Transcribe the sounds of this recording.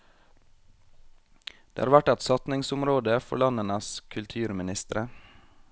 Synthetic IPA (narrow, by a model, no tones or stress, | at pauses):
d̪̥eːɑːɾʋæʈɛt̪sɑt̪nɪŋsʊmɾoːd̪əfɔ̰ɭɑnənəskʰʉlt̪ʰʉːɾmɪnɪst̪əɾə